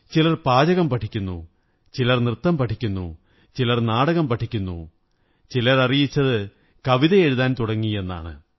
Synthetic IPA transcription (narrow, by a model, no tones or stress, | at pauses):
t͡ɕilɐrpaːd͡ʑɐɣɐmpɐʈʰikʲːunːṵ | t͡ɕilɐrnrɨt̪ːɐmpɐʈʰikʲːunːṵ | t͡ɕilɐrnaːɽɐɣɐmpɐʈʰikʲːunːṵ | t͡ɕilɐrɐrijit͡ɕːɐðɨ | kɐʋiðɐe̞ɻuðaːnt̪uɽɐŋːie̞nːa̰ːɳɨ̰